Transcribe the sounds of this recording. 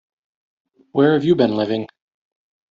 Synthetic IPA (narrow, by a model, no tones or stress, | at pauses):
wə˞ɨvjɨbɨ̃nlɪvɪ̃ŋ